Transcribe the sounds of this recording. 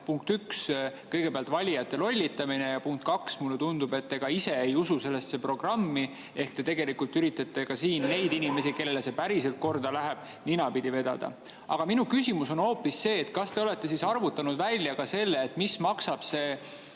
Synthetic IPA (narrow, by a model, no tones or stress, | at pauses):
puŋk̚t̪ykskɤjɡ̥e̞peɑlt̪vɑlʲijɑt̪ːˑe̞lo̞lʲːit̪ːɑmine̞jɑpuŋk̚t̪̚kɑksmulːet̪und̪̥ube̞t̪ːe̞ɡ̥ɑise̞ejususe̞lːe̞st̪se̞pro̞ɡ̥rɑmːi | e̞hkt̪e̞t̪e̞ɡe̞likult̪ːyɾit̪ːˑɑt̪ːe̞kɑsiːnːe̞jd̪inime̞sike̞lːelːese̞pæɾise̞lt̪̚ko̞rd̪ɑlæɦeb̥̚ | ninɑpid̪̥ive̞d̪̥ɑ̰d̪ɑ̰ | ʔɑ̰ɡ̥ɑminukysʲimuso̞no̞ːpːisːe̞ːt̪kɑst̪e̞o̞le̞t̪ːe̞sisɑrvut̪ːˑɑnud̪vælʲːjɑkɑse̞lːeːt̪ːˑmismɑksɑb̥se̞ː